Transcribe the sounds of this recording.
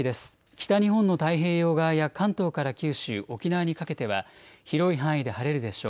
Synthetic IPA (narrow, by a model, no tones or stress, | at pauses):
id̪e̞sɨ̥ | kʲi̥t̪aɲ̟iɦõ̞nːo̞t̪aiɦe̞ːjo̞ːɡajakãnt̪o̞ːkaɾakʲɨːɕɨːʔo̞kʲinaβaɲ̟ikake̞t̪e̞βaçiɾo̞iɦãɰ̃id̪e̞haɾe̞ɾɯ̟d̪e̞ɕo̞ː